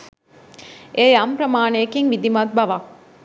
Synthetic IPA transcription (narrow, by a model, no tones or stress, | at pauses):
ʔejɐmpɾɐmaːnejekiŋʋid̪imɐt̪̚bɐʋa